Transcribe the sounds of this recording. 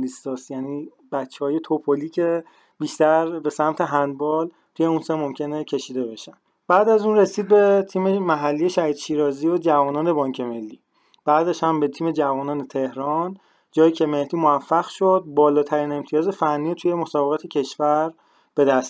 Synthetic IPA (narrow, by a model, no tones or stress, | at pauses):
list̪ɒsjæniː | b̥æt͡ʃʰːehɒːjet̪ʰopʰoliːcʰe | biːʃt̪æɾbe̞sæmt̪ʰe̞ɦænd̪bɒːl | t̪ʰuje̞unsemomcʰe̞ne̞cʰe̞ʃiːd̪e̞be̞ʃæn | b̥æːd̪æzuːnre̞siːd̪̚be̞t̪ʰiːme̞mæɦælːijeʃæɾiːt̪ʃiːɾɒːziːod͡ʒævɒːnɒːne̞bɒːŋcʰe̞me̞lːiː | b̥æːd̪æʃhæmbe̞t̪ʰiːme̞d͡ʒævɒːnɒːnet̪ʰe̞hɾɒn | d͡ʒɒːjecʰeme̞ht̪iːmovæfːæɣʃod̪̚bɒːlɒːt̪ʰæɾiːne̞mt̪ʰijɒːzefænːiːt̪ʰujemo̞sɒːbeʁɑːt̪ʰecʰe̞ʃvæɾ | b̥e̞d̪æst̪